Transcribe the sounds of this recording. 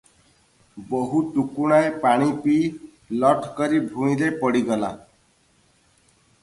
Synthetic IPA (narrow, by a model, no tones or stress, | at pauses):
bɔɦuʈukuɽ̃aepaɽ̃ipi | lɔʈʰkɔɾibʱuĩlepɔɽiɡɔla̰